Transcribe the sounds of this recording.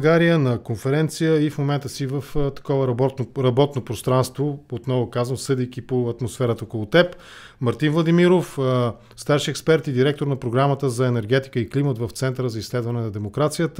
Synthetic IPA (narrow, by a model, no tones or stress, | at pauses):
ɡaɾijənɐkonfɛɾɛnt̪sijəifmomɛnt̪əsivəft̪ɐ̥kɔvəɾɾɐbɔt̪nopɾost̪ɾanst̪voot̪nɔvʊkazvəmsɤd̪ijkʲipoɐt̪mosfɛɾət̪əokolˠot̪ɛp | mɐɾt̪invlˠɐd̪imiɾof | st̪aɾʃiɛkspɛɾt̪id̪iɾɛk̚t̪oɾnɐpɾoɡɾamət̪əzɐɛnɛɾɡɛt̪i̥kəiklimət̪vəft̪sɛnt̪əɾəzɐislɛd̪vɐnɛnɐd̪ɛmokɾat̪sijət̪ə